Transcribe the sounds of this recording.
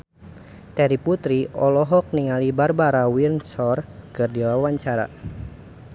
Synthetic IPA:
t̪ɛɾiput̪ɾiɔlɔɦɔk̚niŋalibarbaɾawinsɔrkɨrdiwawaɲt͡ʃaɾa̰

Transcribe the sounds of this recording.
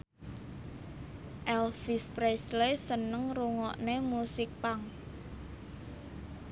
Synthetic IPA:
ʔɛlfispɾɛslesənəŋruŋɔʔnemusɪk̚paŋ

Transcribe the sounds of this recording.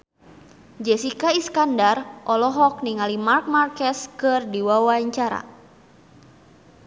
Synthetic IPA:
d͡ʒɛsikaiskandarʔɔlɔɦɔk̚niŋalimark̚markɛskɨrdiwawaɲt͡ʃaɾa̰

